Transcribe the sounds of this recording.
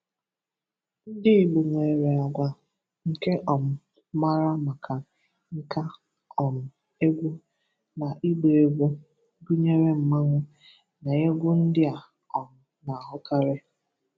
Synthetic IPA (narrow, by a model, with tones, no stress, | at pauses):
n̩˦dɪ˦i˨ɡ͡bu˨ŋʷe˨e˨ɾe˨a˨ɡʷa˨ | ŋ̩˨ke˦ʔɔ˨m̩˦ | ma˦ɾa˦ma˨ka˨ | ŋ̩˦ka˦ | ɔ˨m̩˨ | e˦ɡʷu˦ | na˨ʔi˦ɡ͡be˨e˨ɡʷu˦ | ɡu˦ɲe˦ɾe˦m̩˨ma˦ŋʷʊ˦ | na˨je˦ɡʷʊ˦n̩˦dɪ˦a˨ | ɔ˨m̩˨ | na˨a˨ɦʊ˦ka˦ɾe˦